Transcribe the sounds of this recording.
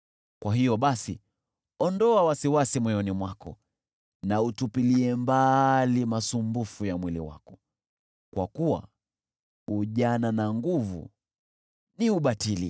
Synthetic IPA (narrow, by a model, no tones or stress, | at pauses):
kwaɦijɔɓasi | ɔndɔawasiwasimwɔɛjɔnimwakɔ̰ | nautupiliɛmbalimasumbufujamwilḭwa̰kɔ | kwa̰kuwa̰ | uʄananaŋɡuvṵ | niuɓatilḭ